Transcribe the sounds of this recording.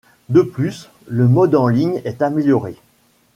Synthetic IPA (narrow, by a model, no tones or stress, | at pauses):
d̪əplys | ləmɔd̪ɑ̃liɲɛt̪ameljɔʁe